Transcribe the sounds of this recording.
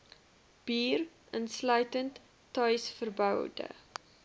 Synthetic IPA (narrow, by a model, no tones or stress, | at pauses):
b̥iːr | ʔənslœɥtəntː | ɐjsfərbœwdə̰